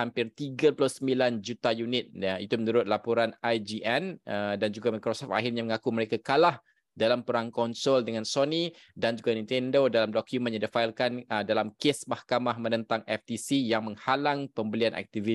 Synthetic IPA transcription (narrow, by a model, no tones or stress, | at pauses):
ampɪrt̪iɡaplʊsəmbiland͡ʒut̪ajunɪt̪̚ait̪umənuɾʊt̪̚lapoɾanajd͡ʒiʔɛnədand͡ʒuɡamakɾosɔfta̰ɦirɲaməŋakuməɾekakalah | dalampəɾaŋkɔnsɔldəŋãnsoni | dand͡ʒuɡanĩnt̪ɛndodalamdokjumə̃njãdifailkandalamkesmahkamahmənə̃nt̪aŋɛft̪isijaŋmə̃ŋhalaŋpəmbəlianʔa̰k̚t̪ivi